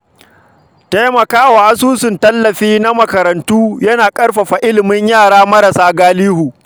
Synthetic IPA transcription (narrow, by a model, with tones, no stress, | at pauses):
te˦jmɐ˨kaː˦waː˨ʔa˦suː˦sɪ˨ntɐ˦lːɐ˨ɸiː˦na˦mɐ˨kɐ˨ɾɐ˨ntuː˦jɐ˦naː˨kʼɐ˦ɽɸa˨ɸa˨ʔɪ˦lɪ˨mɪ˦ɲjaː˦˨ɽaː˦mɐ˦ɾɐ˨saː˦ɡaː˦liː˦huː˨